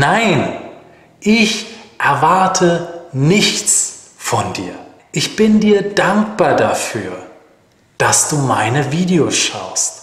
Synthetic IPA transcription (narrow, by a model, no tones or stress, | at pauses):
naɪn | ʔɪçʔɛɐvaɐtʰənɪçt͡s | fɔndḭːɐ | ʔɪçb̥ɪndiːɐdaŋk̚b̥aːɐdafyːɐ | d̥asd̥uːma̰ɪnəviːdeosʃa̰ʊst